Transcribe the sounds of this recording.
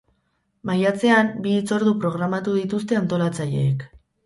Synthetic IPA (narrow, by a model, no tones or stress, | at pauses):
majat͡se̞ambiːt͡so̞ɾðupɾo̞ɣ̞ɾamat̪uð̞it̪us̬t̪e̞ant̪o̞lat͡saʎe̞̰ːk